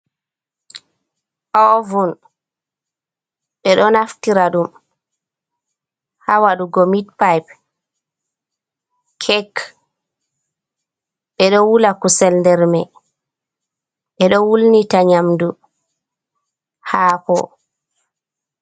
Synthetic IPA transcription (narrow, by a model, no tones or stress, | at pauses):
ʔɔvun | ɓɛɗɔnaftiɾaɗum | hawaɗuɡɔmitpajp̚ | kʰɛk | ɓɛɗɔwulakusɛlndɛɾmɛ | ɓɛɗɔwulnitaɲamdu | haːpɔ̰